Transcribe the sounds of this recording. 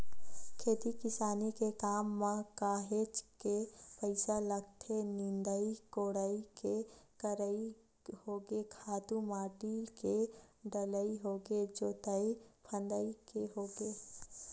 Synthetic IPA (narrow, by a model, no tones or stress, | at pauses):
kʰeːt̪ikɪsaːnikekaːmːãkaːɦeːt͡ʃkepəɪsalɐɡ̚t̪ʰenɪ̃nd̪əikoːɽəikekəɾəi | hoːɡekʰaːt̪umaːʈiːlkeɖ̪ɐləiɦoːɡed͡ʒoːt̪əipʰə̃nd̪əikeɦoːɡeː